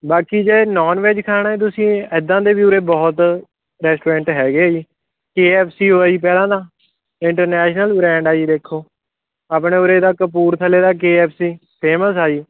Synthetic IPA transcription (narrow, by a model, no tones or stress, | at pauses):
baːkiːd͡ʒeːnɔːnʋeːd͡ʒkʰaːɽ̃aːẽːt̪̬ʊsĩːɪd̪ãːd̪eːʋjuʊɾeːbɔːt̪ | ɾɛːsʈoːɾɛ̃ːɳʈɦɛːɡeːiː | keːɛːpʰsiːɦoːaːiːp̬ɛːlãːd̪aː | ɪɳʈəɾnɛːʃnəlbɾɛ̃ːɳɖaːiːd̪eːkʰːoː | aːpɽeːʊɾeːd̪aːkəp̬uːɾt̪ʰəleːd̪aːk̬eːɛːpʰsiː | pʰeːməsaːiː